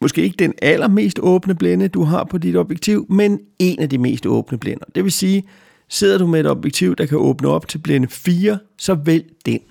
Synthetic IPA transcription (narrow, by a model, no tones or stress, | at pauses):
mɒ̽sɡ̥e̝̰ːe̝ɡ̥əd̥enælɐme̝̰ːsd̥ɔ̽ːb̥nəb̥lenəd̥uɦɑ̈pʰɒ̽d̥id̥ɒ̽b̥jeɡ̥̚t͡sʰiʊ̰mene̝næd̥ime̝̰ːsd̥ɔ̽ːb̥nəb̥lenɐd̥e̝ʋe̝siː | se̝ð̞̰ˠɐdumee̝d̥ɒ̽b̥jeɡ̥̚t͡sʰiʊ̰d̥ɑ̈kʰæʔɔ̽ːb̥nəɒ̽b̥̚t͡sʰe̝lb̥lenəfiːɐsɒ̽ʋel̰d̥en